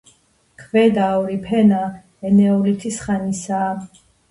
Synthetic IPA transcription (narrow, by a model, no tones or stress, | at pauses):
kʰvɛd̪aɔɾipʰɛna | ɛnɛɔlit̪ʰisχanisaː